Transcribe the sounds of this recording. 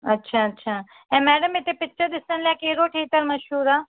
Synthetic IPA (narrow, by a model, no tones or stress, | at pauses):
ətːʃʰaːətːʃʰaː | ɛ̃ːmɛːɖəmet̪epɪtːʃəɾd̪ɪsənleaːkeːɾoːʈʰeːt̪əɾməʃɦuːɾaː